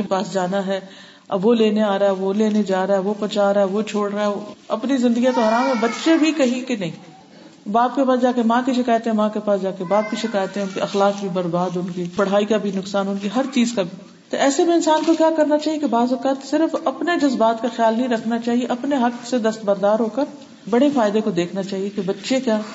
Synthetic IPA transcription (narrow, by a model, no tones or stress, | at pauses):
paːsd͡ʒaːnaɦɛː | ʋoleːneaːɾaːɦɛʋoleːned͡ʒaːɾaɦɛʋopɐt͡ʃaːɾaɦɛʋot͡ʃʰoːɽɾaɛoɐpnizɪ̃nd̪əɡijãt̪oɦɐɾaːmɦɛ̃bɐt̪ʃebʱikɐɦĩkenɐɦĩː | baːp̚kepaːsd͡ʒaːkemãːkiʃɪkaːjət̪ɦɛ̃mãːkepaːsd͡ʒaːkebaːb̚kiʃɪkaːjət̪ɦɛ̃ʊnkiɐxlaːk̚bʱibɐɾbaːd̪ʊnkipɐɽ̤aːikabʱinʊksaːnʊnkiɦɐɾt͡ʃiːzkabʱi | t̪oʔɛːsebʱiɪnsaːnkokjaːkɐɾnat͡ʃaːɦiekebaːzʊkaːt̪sɪɾfɐpned͡ʒɐzbaːt̪kaxjaːlnɐɦĩɾɐkʰnat͡ʃaːɦieʔɐpneɦɐksed̪ɐst̪bɐɾd̪aːɾɦoːkəɾ | bɐɽefaːɪd̪ekod̪eːkʰnat͡ʃaːɦiekebɐtːʃekjaː